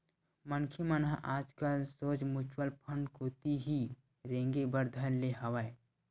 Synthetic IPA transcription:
mənkʰimənɦaʔaːd͡ʒkəlsoːt͡ʃmʊt͡ʃwəlpʰəɳɖkoːt̪iɦi | ɾẽːŋɡebəɾd̪ʱəlːeɦɐʋae

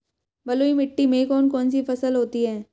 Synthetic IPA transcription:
bɐloːimɪʈːimẽkɔːnkɔːnsifɐsəlɦoːt̪iɦɛː

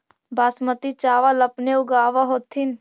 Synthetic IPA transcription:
baːsmət̪it͡ʃaːʋaləpneuɡaːʋaɦoːt̪ʰin

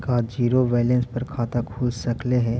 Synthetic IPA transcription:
kad͡ʒiːɾoʋɛːlə̃nspɐɾkʰaːt̪akʰuːlsɐkleɦɛ̃

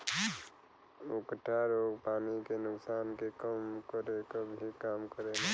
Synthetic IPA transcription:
ʊkʈʰaɾoɡpaːnikenʊksaːnkekəmkəɾekabʱikaːmkəɾen

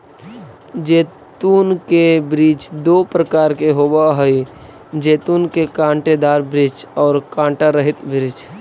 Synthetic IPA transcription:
d͡ʒeːt̪uːnkebɾiːt͡ʃd̪oːpɾəkaːɾkeɦoːbaɦəi | d͡ʒeːt̪uːnkekãːɳʈed̪aːɾbɾit͡ʃɔːɾkãːɳʈaɾəɦɪt̪bɪɾɪt͡ʃ

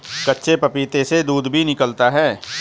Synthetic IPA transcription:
kɐtːʃʰepɐpiːt̪esed̪uːd̪bʱinɪkəlt̪aɦɛː

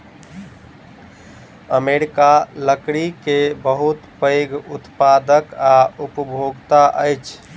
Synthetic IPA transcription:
əmeɾikaləkɽikebəɦut̪pəjɡut̪pad̪əkaupəbʱoɡt̪aʔəjt͡ʃʰ

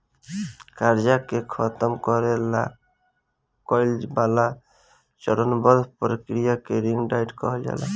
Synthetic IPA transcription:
kaɾd͡ʒakekʰɔt̪ɔmkɔɾela̰ | kɔjld͡ʒbala | t͡ʃɔɽɔnbɔd̪ʱpɾikɾijakeɾiŋɡɖajʈkɔɦɔd͡ʒa̰la̰

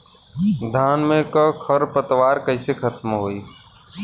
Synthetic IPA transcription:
d̪ʱaːnmẽkəkʰəɾpət̪ʋaːɾkəɪsekʰɐt̪mɦoːiː

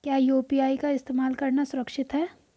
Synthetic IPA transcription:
kjaːjoːpiaːikaɪst̪eːmaːlkɐɾnasʊɾəkʃɪt̪ɦɛː

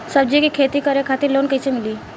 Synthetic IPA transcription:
səb̚d͡ʒikikʰeːt̪ikəɾekʰaːt̪ɪɾloːnkəisemɪliː

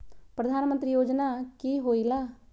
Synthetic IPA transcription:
pɾəd̪ʱaːnmə̃nt̪ɾiːjoːd͡ʒnaːkiːɦoːilaː

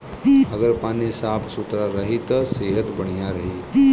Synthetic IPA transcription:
ɐɡəɾpaːnisaːpʰsʊt̪ɾaɾɐɦit̪ɐseːɦət̪bɐɽ̃ijaɾɐɦiː

